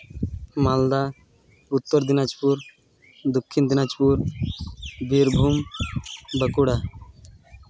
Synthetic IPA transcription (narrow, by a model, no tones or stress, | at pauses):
mald̪a | ut̪ːɔɾd̪inad͡ʒpuɾ | d̪ukʰːind̪inad͡ʒpuɾ | biɾbʱum | bəkuɽa